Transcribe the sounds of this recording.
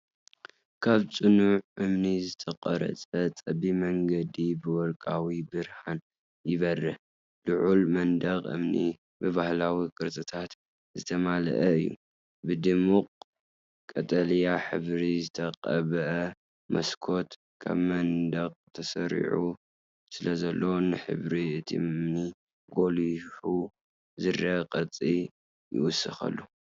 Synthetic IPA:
kʰaβt͡sʼɨnuʕʔɨmnizɨt̪ʰɐqʼɐɾɐ̰t͡sʼɐt͡sʼɐbimɐŋɡɐd̪ibɨwɔlkʼawibɨɾhan | jɪβɐrːɐ | d̪ɨʕulmɐnd̪ɐqʼʔɨ̰mnḭ | bɨβahlawikʼɨɾt̪ʼɨt̪ʰat̪ | zɨt̪ʰɐmal̰ʔɐɨjːṵ | bɨd̪ɨmuqʼ | kʼɐt̪ʼɐljaħɨ̰βɾizɨt̪ʰɐqʼɐ̰βʔɐ | mɐ̰skʰot̪ | kʰa̰βmɐnd̪ɐqʼt̪ʰɐsɐɾḭʕu | sɨlɐzɐlːonɨħɨ̰βɾiɨt̪ʰḭmni | ɡo̞liħu | zɨrɐqʼɐt͡sʼi | jɪ̰wʊsɨxɐ̰lːu

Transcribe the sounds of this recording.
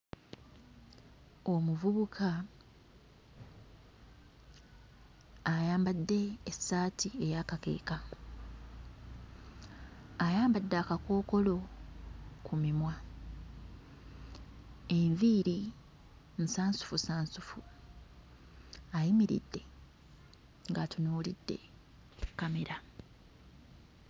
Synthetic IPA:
o̞muvuβukʰa | jaːmbadːe̞ːsːaːtʰie̞jakake̞̰ːka | ajaːmbadːakako̞ːko̞lo̞ | kʰumimwa | eɱviːɾi | n̩saːnsu̥fusaːnsufu | ajimiɾḭdːe̞ | ŋɡatunuːlidːe̞̰ | kːameɾa

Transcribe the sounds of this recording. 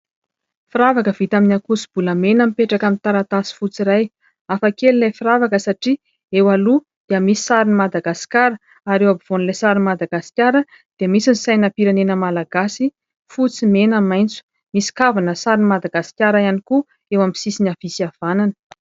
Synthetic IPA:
fiɾavakəv̥it̪aminʲakusi̥b̥uləmenəmipeʈ͡ʂakamint̪aɾat̪asi̥fut͡siɾaj | afakelilajfiɾavakəsaʈ͡ʂi | ewalu | d̪̥iəmisi̥saɾinimad̪aɡasi̥kʲaɾə | aɾewabiv̥onilajsaɾinmad̪aɡasi̥kʲaɾə | d̪̥iəmisinisajnapiɾanenəmalaɡ̥asi | fut͡simenəmajnt͡su̥ | misi̥kavanəsaɾinimad̪aɡasi̥kʲaɾajaniku | ewamsisinav̥isiav̥ananə̥

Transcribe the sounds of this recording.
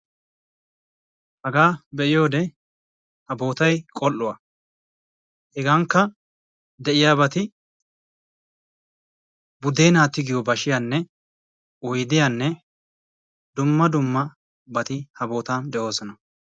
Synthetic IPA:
hɐɡaːbɛʔɪjo̞ːd̪ɛ | hɐbo̞ːt̪ɐjkʼɔlːʊwa | hɛɡaŋkːɐ | d̪ɛʔɪjaːbɐt̪ɪ | bʊd̪eːnaːt̪ːɪɡɪjɔbɐʃɪjaːnːɛ | ʊjd̪ɪjaːnːɛ | d̪ʊmːɐd̪ʊmːɐ | bɐt̪ɪhɐbo̞ːt̪aːnd̪ɛʔo̞ːsɔnɐ

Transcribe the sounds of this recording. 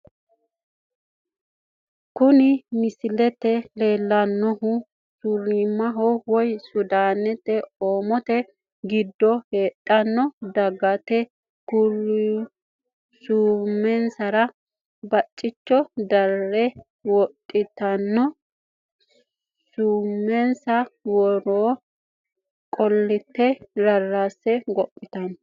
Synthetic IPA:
kʊnɪmɪsɪlɛt̪ɛle̞ːlːɐnːɔɦʊ | sʊɾimːɐɦɔwɔjsʊd̪aːnɛt̪ɛoːmɔt̪ɛ | ɡɪd̪ːɔheːtʼːɐnːɔd̪ɐɡɐt̪ɛ | kʊɾ | suːmːɛnsɐɾɐ | bɐt͡ʃʼːɪt͡ʃːɔd̪ɐlːɛ | wɔt̪ʼːɪt̪ɐnːɔ | suːmːɛnsɐwɔɾoː | kʼɔlːɪt̪ːɛɾɐrːasːɛɡɔpʼːɪt̪ɐn

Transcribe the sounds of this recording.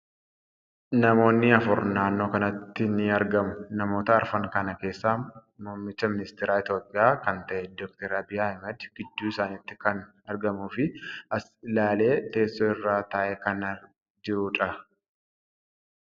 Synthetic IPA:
nɐmo̞ːnːɪɐfʊɾnaːnːo̞ːkɐnɐt̪ːɪnɪɐɾɡɐmʊnɐmo̞ːt̪ɐːɾfɐŋkɐnɐke̞ːsːaːmoːmːɪt͡ʃːɐmɪnɪst̪ɪɾaːɪt̪jo̞ːpʼɪjaːkɐnt̪ɐʔɛd̪ɔːk̚t̪ɛɾɐbɪɐmɐd̪ɡ̥ɪd̪ːuːɪsaːniːt̪ːɪ̥kɐn | ɐɾɡɐmuːfɪɐsɪlaːle̞ːt̪e̞ːsːoːɪrːaːt̪ɐːʔɛkɐnɐ | d͡ʒɪɾʊᶑɐ

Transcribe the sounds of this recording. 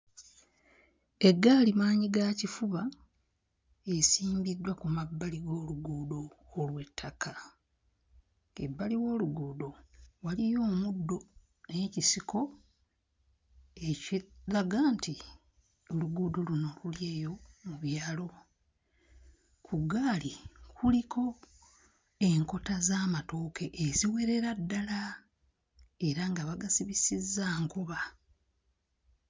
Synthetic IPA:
e̞ɡːaːlimaːɲiɡacifuβa | esiːmbidːwakumabːaliɡo̞ːluɡuːdo̞ː | lwe̞tʰːakʰa | ḛbːaliwo̞ːluɡuːdo̞walijo̞ːmudːo̞ | ecisiko̞ | ecilaɡaːntʰi | o̞luɡudoluno̞luljeːjo̞muβjaːlo̞ | kʰuɡaːlikʰulikʰo̞ | e̞ŋko̞tazaːmato̞ːke̞ʔeziwe̞ɾe̞ɾadːala | e̞ɾaŋɡaβaɡasiβisizːaːŋkoβa

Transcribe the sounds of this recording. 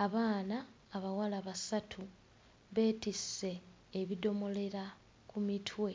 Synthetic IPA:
aβaːnaː | βawalaβasatʰu | βe̞ːtise̞ː | βido̞mo̞le̞ɾa | kumitʰwe̞

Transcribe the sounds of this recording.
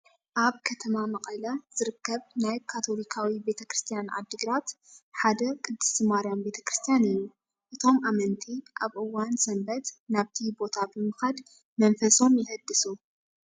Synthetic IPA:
ʔaβkʰɐt̪ʰɐmamɐkʼɐlɐz̥ɨɾɨkːɐβnajkʰat̪ʰo̞likʰawibe̞t̪ʰɐkɾɨst̪ʰijanʔa̰d̪ːɨɡɾat̪ħad̪ɐkʰʼɨd̪ːɨ̥simaɾijambet̪ʰɐ̥kɾɨst̪ʰijanɨjːu | ʔɨt̪ʰo̞mʔamɐnt̪ʰiʔaβʔɨwːansɐmbɐt̪naβt̪ʰibo̞t̪ʰabɨmɨxad̪ | mɐnfɐso̞njɪhɐd̪ːɨsu

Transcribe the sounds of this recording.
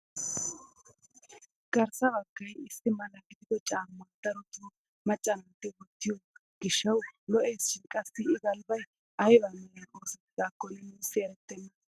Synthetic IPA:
ɡ̥ɐɾsɐbɐkːɐjɪsːɪmɐlɐɡɪd̪ɪkɔt͡ʃʼaːmːaːt̪ːɐɾɔt̪o | mɐt͡ʃʼːɐnɐnt̪ːɪwɔt̪ːɪjɔ | ɡ̥ɪʃːɐwlɔʔeːsʃɪnkʼɐsːɪːɡɐlbɐj | ʔɐjbamɛlɐnoːsɛt̪ːɪd̪aːkːɔnɛnuːsːɪɛɾɛt̪ːɛnːɐ

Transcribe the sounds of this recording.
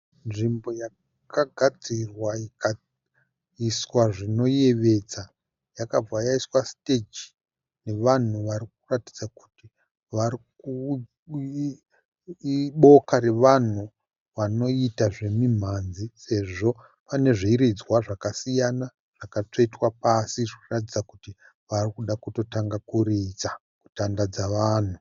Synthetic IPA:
nʐimbo̞ja | kaɡʱad͡zirwaika | iswaʐino̞je̞ʋe̞d͡za | jakab͡vajaiswaste̞d͡ʒi | ne̞ʋan̤uʋaɾik̚uratid͡zaku̥ti | ʋariku | ɓo̞kaɾe̞ʋan̤u | ʋano̞itaʐe̞mim̤anzise̞ʐo̞ | pane̞ʐiiɾid͡zwaʐakasijana | ʐ̥akat͡ʂoitwapasiʐikratid͡zakuti | ʋarikuɗakuto̞taŋɡakurit͡sa | ku̥tandad͡zaʋaːn̤u

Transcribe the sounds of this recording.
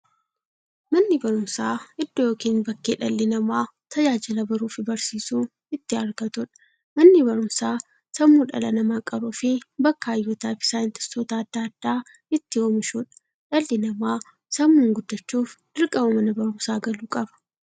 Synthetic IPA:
mɐnːɪbɐɾʊmsaːɪd̪ːɔjoːkiːnbɐkːeːᶑɐlːɪnɐmaː | t̪ʰɐd͡ʒaːd͡ʒɪlɐbɐɾuːfɪbɐɾsiːsuː | ɪt̪ːɪɐɾɡɐt̪ʊᶑɐ̥ | mɐnːɪbɐɾʊmsaː | sɐmːuːᶑɐ̰lɐnɐmaːkʼɐɾuːfɪbɐkːaːjːuːt̪aːfɪ̥saːɪnt̪ɪstoːt̪ɐːd̪̥ːaːd̪̥ːaː | ɪt̪ːɪoːmɪʃuᶑɐ̥ | ᶑɐlːɪnɐmaː | sɐmːuːŋɡʊd̪ːɐt͡ʃːuːfd̪̥ɪɾkʼɐbɐmɐnɐbɐɾʊmsaːɡɐluːkʼɐbɐ̥

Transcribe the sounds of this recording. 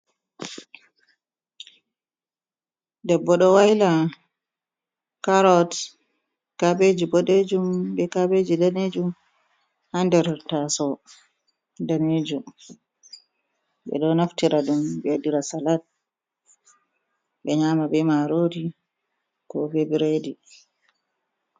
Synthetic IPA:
dɛbːɔɗɔwahila | kaɾɔt | kabed͡ʒibɔɗed͡ʒumbɛkabed͡ʒidaned͡ʒum | handɛɾtasɔ | daned͡ʒum | ɓɛ̰ɗɔnaftiɾaɗumbɛdiɾasalat̚ | ɓɛɲaːmabɛmaɾodi | kɔbebiɾedi

